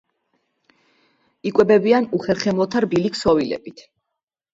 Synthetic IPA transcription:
ikʼwɛbɛbianuχɛɾχɛmlˠɔt̪ʰaɾbilikʰsɔvilɛ̰bit̪ʰ

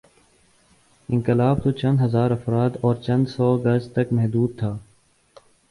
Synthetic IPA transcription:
ɪ̃ŋkɪlaːb̚t̪ot͡ʃɐ̃nd̪ɦɐzaːɾɐfɾaːd̪ɔːɾt͡ʃɐ̃nd̪sɔːɐɡəst̪ɐkmɛɦd̪uːd̪̚t̪ʰaː

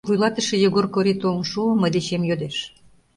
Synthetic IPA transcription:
vujlɑt̪ə̆ʃejə̆ɣorkoɾit̪onʃuəməjd̪eɕemjød̪eʃ

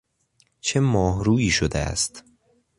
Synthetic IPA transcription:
t͡ʃʰe̞mɒːɦɾuːiːʃod̪eæ̰st̪

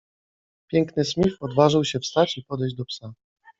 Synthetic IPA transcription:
pʲjɛŋknɘɕmʲifpɔd̪vaʐɘwɕɛfst̪at͡ɕipɔd̪ɛjd͡ʑd̪ɔpsa

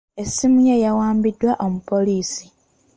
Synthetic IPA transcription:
esimujejawaːmbidːwaʔo̞mupo̞liːsi̥

